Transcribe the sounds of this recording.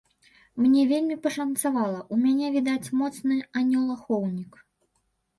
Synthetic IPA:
mnʲɛvʲelʲmʲipɐʂɐnt̪savalˠɐʔumʲanʲɛvʲid̪at͡sʲmɔt̪snɨanʲɔlˠaxɔwnʲik

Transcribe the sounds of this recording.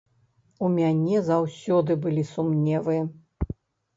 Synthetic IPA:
umʲanʲɛzawsʲɔd̪ɨbɨlʲisumnʲɛvɨjɐ

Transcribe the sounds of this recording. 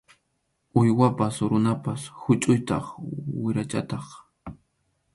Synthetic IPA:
ʊjwapasɾʊnapashʊt͡ʃʼʊjt̪ɑ̰χwɪɾat͡ʃa̰t̪ɑχ

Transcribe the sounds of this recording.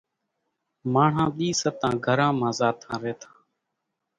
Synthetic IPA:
maːɳ̤ãːɗiːsət̪ãːɡʱəɾãːmãːzaːt̪ʰãːɾeːt̪ʰãː

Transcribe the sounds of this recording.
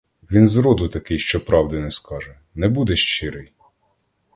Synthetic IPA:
ʋʲinzɾɔd̪ʊt̪ɐkɪjʃt͡ʃɔpɾɑwd̪ɪnɛskɑʒɛ | nɛbud̪ɛʃt͡ʃɪɾɪj

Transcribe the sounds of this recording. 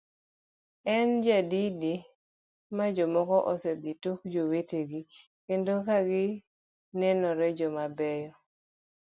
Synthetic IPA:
ɛnd͡ʒadidi | mad͡ʒɔmɔkɔʔɔsɛd̪ituk̚d͡ʒoweteɡi | kendokaɡɪ | nɛnɔɾɛd͡ʒɔmabɛjɔ

